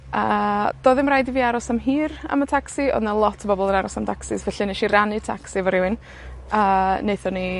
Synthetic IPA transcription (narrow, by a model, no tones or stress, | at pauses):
əːd̥oːðɪmrajdiviːaɾɔsamɦiːrə̰mətʰaksiɔ̰ðnalˠɔtʰəbɔbɔlˠənaɾɔsamtʰaksɪsvɛɬɪniʃiranɨtʰaksivɔɾɪwɨn | əːneɨθɔni